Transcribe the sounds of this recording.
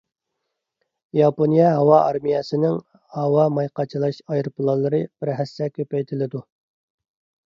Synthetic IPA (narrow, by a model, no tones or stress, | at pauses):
jɑponijɛɦɑwɑʔɑɾmijɛsɪnɪŋ | hɑwɑmɑjqɑt͡ʃʰilˠɑʃɑjɾpʊlˠɑlˠːɨɾɨb̥ɪɾɦæsːɛkʲʰøpɛjt̪ʰɪlɪd̪u